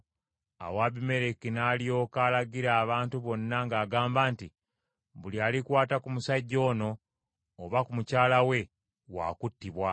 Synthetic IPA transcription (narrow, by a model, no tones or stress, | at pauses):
a̰waβime̞ɾekinaːlijo̞kaːlaɡiɾaːβaːntuβo̞nːaŋɡaːɡaːmbaːnti | βulialikwaːtakumusaɟːo̞ːno̞ː | βakumucaːlawe̞ | wa̰ːkutːiβwa